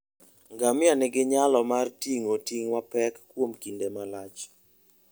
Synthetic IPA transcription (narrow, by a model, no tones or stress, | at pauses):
ŋɡamɪanɪɡɪɲalɔmartiŋotiŋwapɛkːwomkindemalat͡ʃ